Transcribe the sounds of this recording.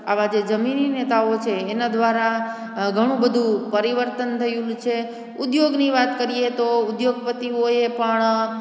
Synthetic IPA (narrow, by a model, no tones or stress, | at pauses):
aʋad͡ʒed͡ʒəmininet̪aot͡ʃʰeːnad̪ʋaɾa | ɡʱəɽ̃ũbəd̪ʱũpəɾiʋəɾt̪ənt̪ʰəjũlt͡ʃʰe | ʊd̪joɡniʋat̪kəɾiet̪oʊd̪joɡpət̪ioepəɳ